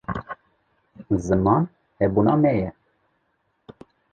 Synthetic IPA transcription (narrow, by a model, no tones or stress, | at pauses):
zɨmɑn | hɛbunɑmɛjɛ